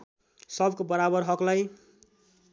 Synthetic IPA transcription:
sʌbkobʌɾabʌɾɦʌklaj

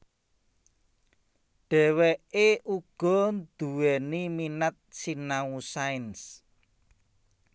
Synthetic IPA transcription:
ɖ̥ɛ̤wɛʔeʔuɡ̥ɔ̤nd̪̥uwɛniminat̪̚sinausaɪns

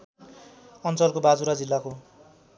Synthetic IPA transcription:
ʌnt͡sʌlkobad͡zuɾad͡zilːako

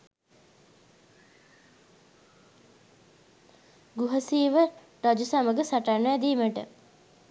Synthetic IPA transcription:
ɡuɦəsiːʋə | ɾad͡ʒusaməɡəsaʈanæd̪iːməʈə̰

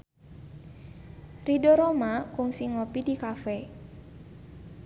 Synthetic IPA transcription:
ridoɾomakʊŋsiŋopidikafɛ

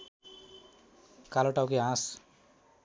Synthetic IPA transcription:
kaloʈawkeãs

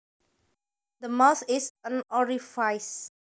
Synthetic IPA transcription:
d̪əmawt̪isə̃nɔɹifaɪs

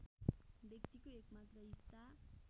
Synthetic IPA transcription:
bjʌkt̪ikoekmat̪rʌisa

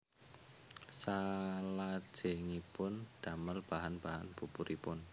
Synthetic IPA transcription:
salad̥ʒ̥e̤ŋipʊnd̪̥a̤məlb̥a̤ɦanb̥aɦanb̥upuɾʔipʊn

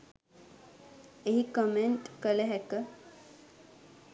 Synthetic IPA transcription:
eɦikəmeɳʈkəleɦɛkə

